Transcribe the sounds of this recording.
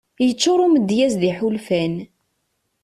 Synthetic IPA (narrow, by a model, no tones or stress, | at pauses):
jət͡sːʊɾˤuməd̪jæzðiħulfæn